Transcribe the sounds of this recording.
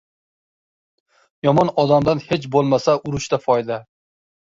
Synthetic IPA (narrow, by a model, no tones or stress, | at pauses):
jɒmɒnɒd̪amd̪anhe̞t͡ʃbolˠmasaʔʊɾʊʃt̪afɒjd̪a